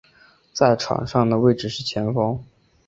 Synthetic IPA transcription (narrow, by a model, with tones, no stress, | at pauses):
t͡sa˥˩ɪʈ͡ʂʰɑ̰˨˩ŋʂɑ˥˩ŋd̪ə˩we˥˧ɪʈ͡ʂɻ̩˥˩ʂɻ̩˥˩t͡ɕʰjɛ˧˥nfɑ˥ŋ